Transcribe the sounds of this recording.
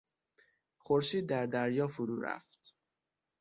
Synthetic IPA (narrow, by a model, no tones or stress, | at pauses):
xoɾʃiːd̪̚ːæɾd̪æɾjɒːfuɾuːɾæ̰ft̪